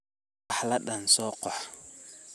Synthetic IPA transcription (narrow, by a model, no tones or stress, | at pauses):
aħlɐɗɐnsɔːqɔħ